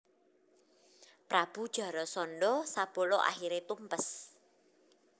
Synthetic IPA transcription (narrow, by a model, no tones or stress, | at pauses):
pɾab̥ṳd̥ʒ̥a̤ɾɔsɔnɖɔsab̥ɔ̤lɔʔa̰xiɾet̪umpəs